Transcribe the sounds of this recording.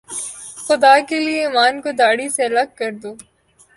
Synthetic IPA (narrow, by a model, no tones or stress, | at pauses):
xʊd̪aːkelieiːmaːnkod̪aːɽiseɐlɐɡ̚kɐɾd̪oː